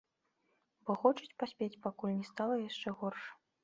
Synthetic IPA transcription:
bɔxɔt͡ʂɐt͡sʲpasʲpʲet͡sʲpakulʲnʲɛst̪alˠɐjaʂt͡ʂɛɣɔrʂ

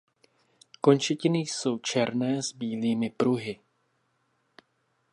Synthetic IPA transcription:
ko̞nt͡ʃɛcɪnɪjso̞wt͡ʃɛɾnɛːzbiːliːmɪpɾuɦɪ

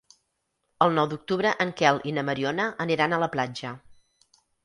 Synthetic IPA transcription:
əlˠnɔwd̪uk̚t̪uβɾəʔəŋkɛlˠʔinəməɾionəəniɾanələplad͡ʒə

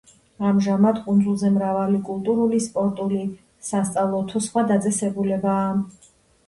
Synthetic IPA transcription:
amʒamad̪kʼund̪zulˠzɛmɾavalikʼulˠt̪ʼuɾulispʼɔɾt̪ʼuli | sast̪sʼavlˠɔt̪ʰɔsχwad̪at̪sʼɛsɛbulɛbaː

